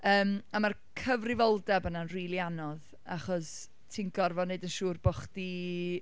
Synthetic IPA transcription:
əːmamarkʰəvrɪvɔlˠdɛbənanriːlˠianɔð | aχɔs | tʰinɡɔrvɔneɨdənʃuːrbɔχdi

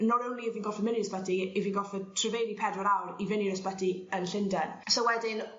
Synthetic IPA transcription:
nɔɾənliəviːnɡɔfɛmɪniəsbɛdiiviːnɡɔfɛtʰrəvejɾipʰɛdɔɾawrivɪniɾəsbɛdiənɬɪndɛnsowɛdɪn

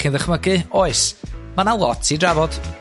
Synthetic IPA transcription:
χinðəχməɡɨoɨsmanawɔtʰidravɔd̥

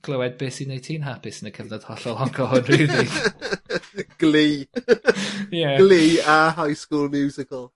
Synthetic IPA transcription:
ɡ̥ləwɛd̚beːsinejtʰiːnɦapʰɪsənəkʰəvnad̥hɔɬɔlˠɔŋkʰɔhʊnriːðɪɡ̥ | ɡ̥liː | jɛɡliːaɦajskuːlˠmjuːzɪkʰəlˠ

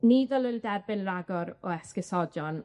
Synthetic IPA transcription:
niːðɔlˠʊjlˠdɛrbɪnraɡɔɾɔɛskɪsɔdjɔn

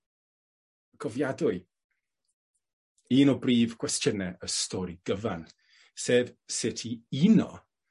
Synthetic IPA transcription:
ɡ̥ʰɔvjadʊɨ | iːnɔbriːv̥kʰwɛstʰjənɛʔəstʰɔɾiɡ̥əvan | seːvsɪtʰiinɔ̰

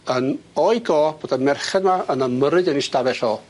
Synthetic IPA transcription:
ənɔɨɡɔːb̥oːdamɛrχɛdmaənəməɾɨdənistavɛɬɔː

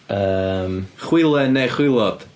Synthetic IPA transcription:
əːmχwɪlˠɛneχwɪlˠɔd̥

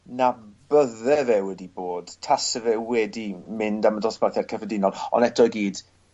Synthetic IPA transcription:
nabəðɛvɛwɛdiboːd̥tʰasəvɛwɛdimɪndamədɔsbaθjad̥̚kʰəvədɪnɔdɔ̰nɛtʰɔɡiːd̥

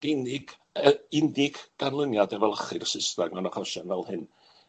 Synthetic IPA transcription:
ɡ̥enɪɡ̥ | ɪnɪɡ̥ɡ̥anlˠənjadɛvɛlˠəχɨrsɪsnaɡmanɔχɔʃanvɛlˠhɨn

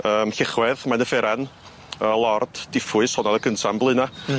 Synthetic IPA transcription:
əːmɬɪχwɛðmanəfɛɾan | əlˠɔrd̥d̥ɪfʊɨshɔnɔðəkʰəntʰamblˠɨna

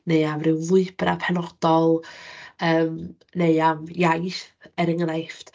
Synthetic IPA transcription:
neɨamrɨwvʊɨbra̰pʰɛnɔd̥ɔlˠ | əːm | neɨamjajθɛɾəŋənajft

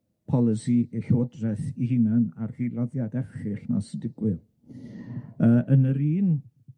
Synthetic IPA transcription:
pʰɔlˠɪsiʔeɬoːdrɛθiɦɪnanarr̥ilˠɔðjadɛfχɨɬna̰sɪdɪɡwɪð | əːʔənəɾiːn

